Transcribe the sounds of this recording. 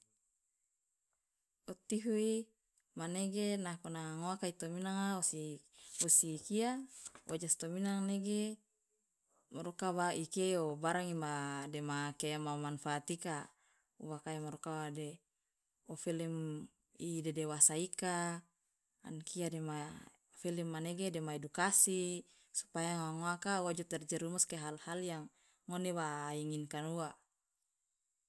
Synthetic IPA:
ot̪iɦui | maneɡenakonaŋoakait̪ominaŋaosi | osikiaʔod͡ʒast̪ominaŋneɡe | moɾokabaikeobaɾaŋimademakeamamanfaːt̪ika | uwakaemaɾokawade | ofilim | idɛdewasaika | a̰nkiadema | filimːaneɡedemaedukasi | su̥pajaŋaŋoakawad͡ʒut̪ɛrd͡ʒɛɾumuskeɦalhaljaŋː | onewaiŋinkanua

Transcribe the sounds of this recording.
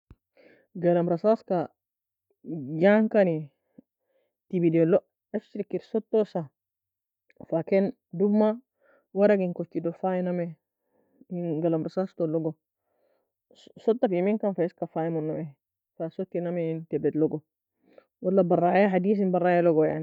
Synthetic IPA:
ɡalamɾasaska | jaŋkani | tibidoloʔ | aft͡ʃiɾikiɾsot̪ːosa | faken | dubmːa | waɾaɡinkot͡ʃːidofajiname | inɡalamɾasast̪oloɡo | sot̪ːafiminkanfaiskafajmunːoʔe | fasot̪ːinameintebɛt̪loɡo | walːabarajaɦadiːs̬inbarːajaloɡoja̰ni

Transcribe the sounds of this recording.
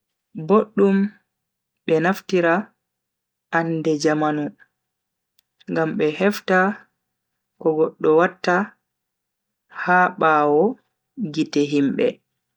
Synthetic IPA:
boɗːum | ɓɛnaftiɾa | andɛd͡ʒamanu | ŋɡamɓɛhɛfta | kɔɡɔɗːɔwatːa | haɓaːwɔ | ɡitɛɦimɓɛ̰

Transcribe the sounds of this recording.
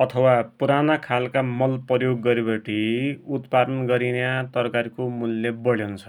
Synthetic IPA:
ʌt̪ʰʌwapuɾanakʰalkamʌlprʌjoɡːʌɾibeʈiut̪pad̪ʌnɡʌɾinjat̪ʌrʌkaɾikomulːebʌɭjeunt͡sʰʌ̥

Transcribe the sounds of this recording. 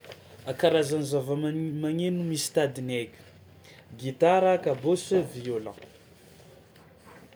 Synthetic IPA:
akaɾazanizavamaŋenumist̪ad̪inekʲu̥ | ɡit̪aɾakabosəviola̰

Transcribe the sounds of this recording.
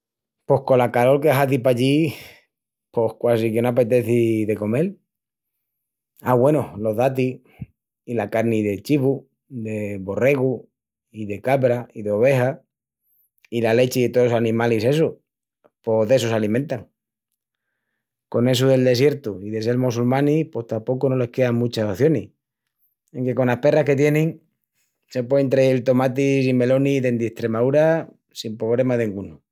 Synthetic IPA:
po̞hko̞lakalo̞lkeaɦat̪̬ipaʎi | po̞hkwas̬ikenoap̬e̞t̪e̞θiðe̞ko̞me̞l | aɣwe̞nohlo̞ðat̪̬i | ilakaɾniðe̞t͡ʃiβu | d̪e̞βo̞re̞ɣu | iðekaβɾaiðeo̞β̞e̞xa | ilale̞t͡ʃiðet̪oosanĩmalise̞s̬u | po̞ðe̞s̬osalimẽnt̪aŋ | ko̞ne̞s̬uðe̞ld̪e̞s̬je̞ɾt̪uiðe̞selmosulmãnipo̞st̪apo̞kono̞le̞hkeamut͡ʃasoθjo̞ni | eŋke̞ko̞nlahpe̞rahke̞t̪je̞nẽŋ | se̞pwe̞ent̪ɾeelt̪o̞mat̪isime̞lo̞niðe̞nd̪eht̪ɾe̞maðuɾa | simpɾo̞β̞le̞maðeŋɡunu

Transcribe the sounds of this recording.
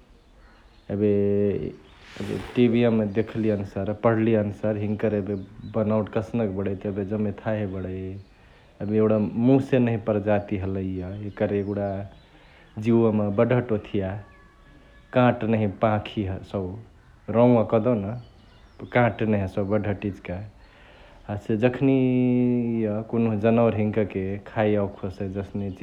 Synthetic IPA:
ebe | ə̰bḛʈibiemːed̪ekʰlijənusəɾpəɽ̤liənusəɾɦiŋkəɾebebənawʈkəsnəkbəɽəjt̪ɔəbed͡ʒəmet̪ʰaɦebəɽəj | əbieɽamũsenəɦĩpəɾd͡ʒat̪iɦələjəekəɾeeɡuɽa | d͡ʒiwəmebəɖʱəʈot̪ʰija | kãʈnəɦĩpãkʰiɦsəb | ɾɔ̃akəd̪ɔnə | kãʈnəɦsəbəɖʱəʈid͡ʒka | ased͡ʒəkʰni | jəkonod͡ʒənəwɾɦiŋkəkekʰajawkʰosed͡ʒəsnet͡ʃ

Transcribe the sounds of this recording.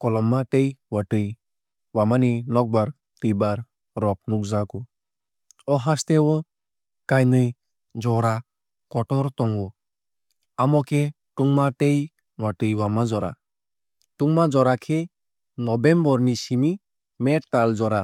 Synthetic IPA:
kɔlɔmːaʈejwaʈɯj | wamaninɔk̚baɾ | t̪ɯjbaɾ | ɾɔp̚nukzakɔ | ɔɦast̪ɛwɔ | kajnɯj | d͡ʒɔɾa | kɔʈɔɾt̪ɔŋɔ | amɔkʰɛ | ʈuŋmaʈej | waʈɯjwamad͡zɔɾa̰ | ʈuŋmad͡zɔɾakʰe | nɔbɛmbɔɾnisimi | mɛʈt̪ald͡zɔɾa

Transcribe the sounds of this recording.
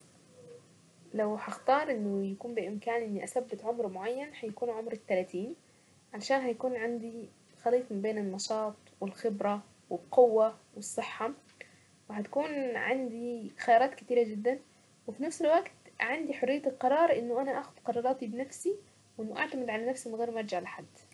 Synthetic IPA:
lawhaxt̪ɑːɾˤʔɪnːʊjakuːmbɪʔɪmkaːnʔɪnːiʔasabːɪt̪ʕʊmɾmʊʕajːanhajakuːnʕʊmɾɪt̪ːalat̪iːn | ʕalʃaːnɦajakuːnʕand̪i | xɑliːt̪ˤmɪbeːnɪnːɑʃɑːt̪ˤwɪlxɪbɾɑ | wɪlqʊwːawɪsˤːɨħːɑ | wɪɦat̪ḁkuːnʕand̪ixajɑːɾˤɑːt̪kɪt̪iːɾad͡ʒɪd̪ːan | wɪfinafsɪlwaɡt̪ʕand̪iħʊrːɪjːalqɑɾˤɑːɾˤʔɪnːʊʔanaʔaxʊd̪̥qɑɾˤɑːɾˤɑːt̪ibɪnafsi | wʔɪnːʊʔa̰ʕt̪amɪd̪ʕalanafsimɪnɣeːɾmʔɑɾˤd͡ʒaʕlaħad̪ː

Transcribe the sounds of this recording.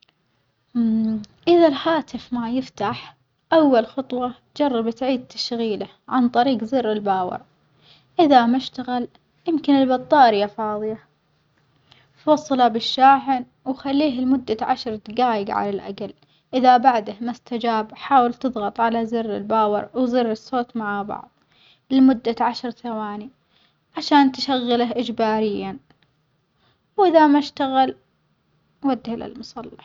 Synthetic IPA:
ʔɪðalhaːt̪ɪfmajɪft̪aħ | ʔawːalxɑt̪ˤwɑ | d͡ʒɑrˤːɑbt̪ʕiːd̪̚t̪ʰḁʃɣiːla | ʕant̪ˤɑɾiːɡzɪrːɪlbaːwɪ̰ɾ | ʔɪðamaʃt̪aɣɪl | jɪmkɪnɪlbɑt̪ˤːɑːɾɪjafɑːðˤɨja | fwɑsˤːɑlɑbɪʃːaːħɪn | wxalːiːɦɪlmʊd̪ːaʕa̰ʃɾˤt̪ɡaːjɪɡʕa̰lalʔa̰ɡal | ʔɪðabaʕd̪ahmast̪ad͡ʒaːbħaːwɪlt̪ɨðˤɣɑt̪ˤʕalazɪrːɪ̰lbaːwɑ̰ɾwzɪrːɪsːoːt̪maʕbɑ̰ʕðˤ | llmʊd̪ːaʕaʃɾt̪awaːni | ʕaʃaːnt̪ɪʃaɣːɪlaʔɪd͡ʒbaːɾɪjːa | wʔɪðamaʃt̪aɣal | wad̪ːɪhla̰lmʊsˤɑlːɑħ

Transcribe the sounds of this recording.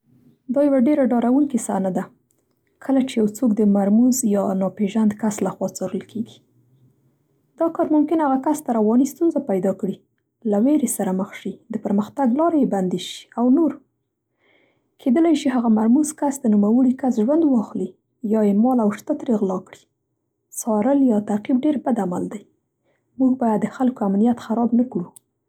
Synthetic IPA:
d̪ɑjawaɖeɾaɖɑɾawuŋkisanad̪a | kʰəlat͡ʃejawt͡sokd̪əmaɾmuzjɑnɑpeʒand̪kaslaxwɑt͡sɑɾəlkʰeɡi̥ | d̪̥ɑkɑɾmʊmkɪnhaɣakast̪aɾawɑnist̪unzapajd̪ɑkɽi | laweɾesaɾaməxʃid̪əpəɾməxt̪aɡlɑɾejeband̪eʃi̥awnoɾ | kʰed̪əlajʃiɦaɣamaɾmuzkasd̪ənumawəɽikasʒwand̪wɑxli | jɑjemɑlawʃt̪at̪ɾeɣlɑkɽi̥ | sɑɾəljɑt̪aqib̚ɖeɾbad̪ama̰ld̪aj | muɡbɑjad̪ːəxalkoamnijat̪xaɾɑbnakɽu

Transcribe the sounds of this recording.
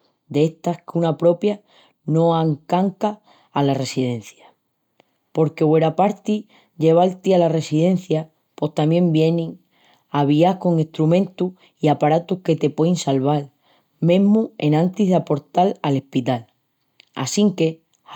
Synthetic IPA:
d̪eeht̪ahkunapɾo̞pja | no̞aŋkaŋkaː | lare̞siðe̞n̟θja | po̞ɾke̞we̞ɾapaɾt̪i | ʝe̞β̞alt̪ialare̞siðe̞nθja | po̞ht̪amjẽ̞mbje̞nĩŋ | aβ̞iahko̞ŋest̪ɾumẽ̞nt̪u | iapaɾat̪uhke̞t̪e̞pwo̞jnsalβ̞al | mẽ̞ɦmue̞nãnt̪iɦðapo̞ɾt̪alale̞hpit̪al | a̰siŋke̞

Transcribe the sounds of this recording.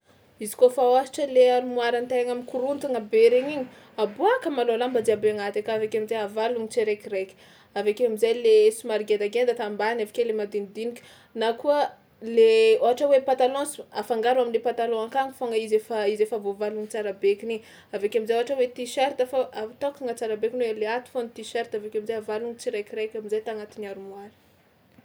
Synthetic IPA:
izi̥kofawasi̥ʈ͡ʂəleaɾumuaɾant̪eaɲamikuɾunt̪aŋabeɾeɲiɲi̥ | abuakəmaloalambad̪iabeaŋat̪akavakamizajavaluŋit͡seɾekiɾekʲi̥ | avakeamizajlesumaɾɡed̪aɡend̪ət̪ambanefḁkelemad̪inid̪inikʲə̥ | nakuə | leoɦaʈ͡ʂəwepat̪alɔ̃safaŋɡaɾaminlepat̪alõaŋkaŋifoŋəizefaizefavovaluŋit͡saɾabekʲini | avekʲeamizajoɦaʈ͡ʂəwet̪iʃeɾt̪afaat̪okaŋət͡saɾabekinweleat̪u̥fonit̪iʃeɾt̪avakamizajavaluŋit͡siɾekʲiɾekʲamizajt̪aŋat̪inaɾumuaɾi̥

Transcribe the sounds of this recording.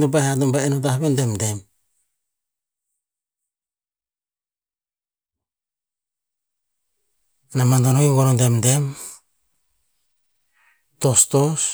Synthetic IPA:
dopahatombaenotahβendemde̞m | namandonojuɡoɾondemde̞m | tostos

